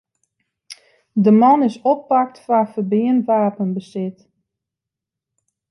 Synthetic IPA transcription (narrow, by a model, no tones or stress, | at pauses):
dəmɔnɪsɔpːak̚tfafərbɪəntʋaːpənbəsɪt